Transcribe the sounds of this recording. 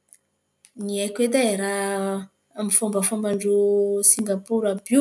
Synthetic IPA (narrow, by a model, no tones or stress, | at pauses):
niakwed̪aɾa | amifombafambaɳɖ͡ʐusiŋɡapuɾabu